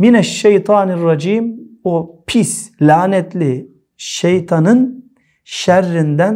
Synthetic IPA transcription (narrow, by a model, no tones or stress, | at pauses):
minæʃːejt̪ʰɑːnirːɑd͡ʒiːmopʰislʲaːnɛt̪ʰlʲi | ʃejt̪ʰɑnɯn | ʃæɾːind̪æn